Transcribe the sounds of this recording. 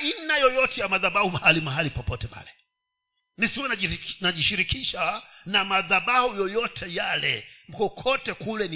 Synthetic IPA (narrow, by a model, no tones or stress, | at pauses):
inajɔjɔtɛjamaðaɓahumahalimaɦalipɔpɔtɛma̰lɛ | nisiwɛnanaʄiʃiɾikiʃanamaðaɓahujɔjɔtʰɛjalɛ̰m̩kɔkʰɔtɛkulɛni